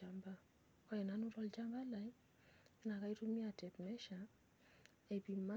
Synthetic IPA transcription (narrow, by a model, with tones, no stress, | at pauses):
a˨mba˦ | kɔ˦ɛ˨na˦nu˦ɾɔ˧lt͡ʃa˦mba˦la˨i˦ | na˨ka˦i˦ɾu˦mi˦a˨tɛ˨pmɛ˦ʃa˨ | e˨bi˨ma˦